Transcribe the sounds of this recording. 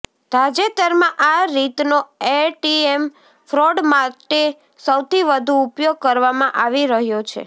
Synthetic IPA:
d̪̥ʱad͡ʒet̪əɾmãʔaɾit̪noeʈiem | fɾoɖmaʈe | səwt̪ʰiʋəd̪ʱuːpjoɡ̚kəɾʋamãʔaʋiɾəɦjot͡ʃʰḛ

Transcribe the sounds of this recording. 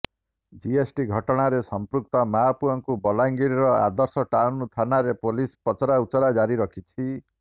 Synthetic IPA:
d͡ʒiesʈiɡʱɔʈɔɽ̃aɾesɔmpɾuk̚t̪ɔmapuɔŋkubɔlaŋɡiɾiɾɔa̰d̪ɔɾsɔʈawnut̪ʰanaɾepolispɔt͡ʃɔɾaut͡ʃɔɾad͡ʒaɾiɾɔkʰit͡ʃʰi

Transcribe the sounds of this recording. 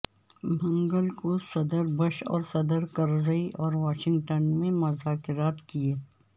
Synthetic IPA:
mʱɐ̃ŋɡəlkosɐd̪əɾbɐʃɔ̰ːɾsɐd̪əɾkɐɾzəiʔɔːɾʋaːʃɪ̃ŋɡʈənmẽmʊzaːkɪɾaːt̪kieː

